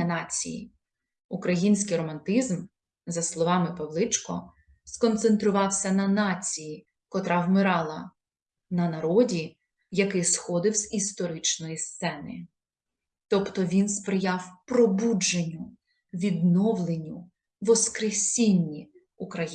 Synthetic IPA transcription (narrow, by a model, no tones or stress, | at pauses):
ɐnɑt͡sʲḭjḭ | ukɾɐjinʲsʲkɪjɾɔmɐnt̪ɪzm | zɐslˠɔʋɑmɪpɐwlˠɪt͡ʃkɔ̰ | skɔnt̪sent̪ɾʊʋɑwsʲɐnɐnɑt͡sʲiji | kɔt̪ɾɑwmɪɾɑlˠɐ | nɐnɐɾɔdʲi | jɐkɪjsxɔd̪ɪwz̥ist̪ɔɾɪt͡ʃnɔjist̪sɛnɪ̰ | t̪ɔpt̪ɔʋʲinspɾɪjɑwpɾɔbud͡ʒenʲːʊ | ʋʲid̪nɔwlˠenʲːʊ | ʋɔskɾesʲinʲːi | ukɾɐj